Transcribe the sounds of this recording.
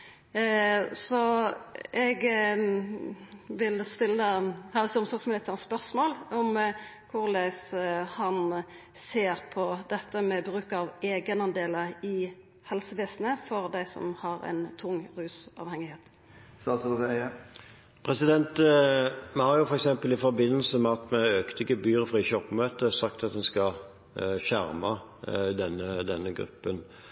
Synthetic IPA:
sɔ | ɛɡ | ʋɪlst̪ɪlːəhɑsɔmsɔɡsmɪlɪt̪ʰːəʁspœʁsmoːlɔmkʰʊʁlɛshɑn | seːʁpʰɔd̪ɛt̪ːəmɛbɾʉːkɑʋeːɡənɑnd̪eːləʁɪ | hɛlsəʋeːsnəfɔʁd̪æɪsɔ̰mhɑɾæ̰ɪnt̪ʰʊŋːʁʉːsɑ̰ːʋhɛŋɪheːt̪ | sɑs | pʰʁɛsɪd̪ɛnt̪ | mɛhɑɾjʊfɔɾɛksɛmpəlɪfɔɾbɪnːəlsəmɛɑt̪mɛøːkt̪ɪkəbyːʁfʁiːçɔpːmøːt̪əsɑkt̪ɑt̪d̪ɛnskɑ | çæɾmɑ | d̪ɛnːəd̪ɛnːəɡɾʉ̰pːən

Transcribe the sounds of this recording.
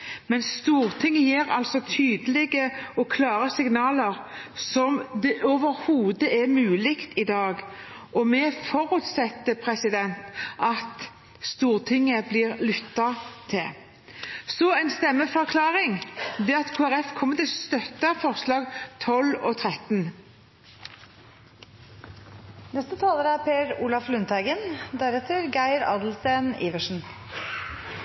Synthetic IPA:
mɛnst̪uːɾt̪ʰɪŋːəjiːɾɑ̰lsɔt̪ʰyːd̪əlɪɡəɔkʰlɑːɾəsɪɡnɑːləɾ | sɔmd̪ɛʔoʋəɾhuːd̪əʔɛmʉːlɪkt̪ɪd̪ɑːɡ | ʔɔmɛfɔɾʉːt̪sɛt̪ːəpʰɾɛsɪd̪ɛnt̪ʔɑt̪ | st̪uːʁt̪ʰɪŋːəblɪɾlʉt̪ːɑt̪ʰɪl | sɔæɪnst̪ɛmːəfɔɾkʰlɑːʁɪŋd̪ɛɑt̪kʰuːæɾɛfkʰɔmːət̪ɪlst̪œt̪ːɑfɔʁslɑːɡt̪ʰɔlɔt̪ʰʁɛt̪n | nɛst̪ət̪ʰɑːləɾəæɾpʰeːɾuːlɑflʉnt̪æɡənd̪æɾɛt̪ʰəɾɡæɪɾɑ̰d̪l̩seːniːʋəʂn̩

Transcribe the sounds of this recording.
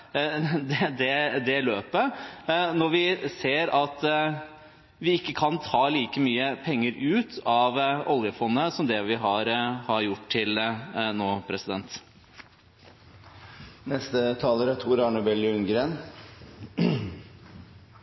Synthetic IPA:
d̪ɛd̪ɛd̪ɛløːpənɔɾʋɪseːɾɑt̪ | ʋɪɪkːəkʰɑnt̪ʰɑːliːkəmyːəpʰɛŋːəɾʉːt̪ɑʋɔljəfɔnːəsɔmd̪ɛʋɪɦɑɾhɑɾjʊʈt̪ʰɪlnoːpʰɾɛsɪd̪ɛnt̪ | nɛst̪ət̪ʰɑːləɾæt̪ʰuːɾɑɳəbɛlɪʉnɡɾeːn

